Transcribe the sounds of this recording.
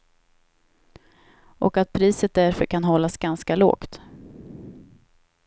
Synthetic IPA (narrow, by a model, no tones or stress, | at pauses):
ʔɔ̰kat̪̚pʰɾiːsət̪̚d̪æɾfœɾkʰanɦɔlːasɡanskalo̰ːkt̪